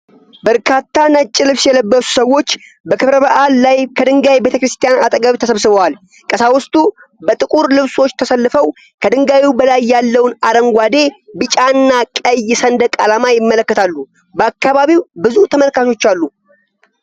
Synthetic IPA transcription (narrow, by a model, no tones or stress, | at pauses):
bəɾkʰat̪ːanət͡ʃʼːɪlɨβsjɛləbːəsu̥səwːo̞t͡ʃː | bəkʰɨβɾəβəʔalːajkʰəd̪ɨŋɡawjbe̞t̪ʰəkɾɨst̪ʰijanat̪ʼəɡaβit̪ʰəsəβsɨβəwal | kʼəsawʊst̪ʼu | bət̪ʼɨkʼuɾlɨβso̞t͡ʃːt̪ʰəsəlːɨfəw | kʰəd̪ɨŋɡawibəlajːalːəwnaɾəŋɡʷad̪e̞bɨt͡ʃʼanːakʼəjːɛsənd̪əkʼalamajɪmːələkːət̪ʰalːu | bəakːaβaβiwbɨzut̪ʰəməlkat̪ʰo̞t͡ʃːalːu